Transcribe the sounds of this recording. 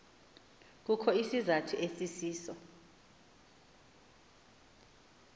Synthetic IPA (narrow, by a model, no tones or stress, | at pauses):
k̬ukʰɔisizatʰuʔesisiːsɔ